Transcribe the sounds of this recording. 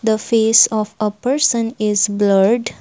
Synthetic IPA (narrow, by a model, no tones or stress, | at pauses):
d̪əfeːsɔfəpəɾsə̃nɪzbləɾɖ